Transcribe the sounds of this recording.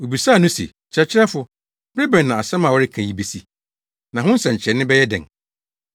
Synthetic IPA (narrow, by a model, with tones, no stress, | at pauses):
o˨bi˨sa˦˨nʊ̃˦sḛ˨ | t͡ɕʰɪ˨ɾɛ˦t͡ɕʰɪ˦ɾɛ˦fʊ˨ | b̥ɾe˦bɛ̃˨nː˨ã˨a˨sɛ̃˦mã˨wɔ˦ɾɪ˦kʰã˨ji˦be˨si˦˨ | nã˨ɦʊ̃˦n˦sɛ̃˨ɲ˨t͡ɕʰɾɛ˨nɪ̃˦bɛ˦jɛ˦dɛ̰̃˨ŋ